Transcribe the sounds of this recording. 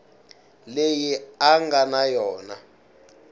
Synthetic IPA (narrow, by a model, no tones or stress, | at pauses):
lejiaŋɡanajɔːna